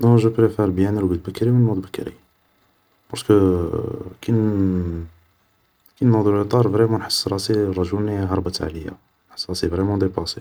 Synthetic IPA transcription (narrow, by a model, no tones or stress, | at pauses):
d̪ɑ̃ʒəpɾefeɾˤbjænəlɡəd̪bəkːɾimənmud̪ˤbəkːɾḭ | b̥ɑɾˤskə | kin | kinːɑd̪ulit̪ˤɑɾˤvɾimunħə̥sˤːɾˤɑsiɾˤɑʒuniɦɑɾˤbət̪ʕa̰ləjːa̰ | nħəsːɾˤɑsivɾemɑd̪epɑsi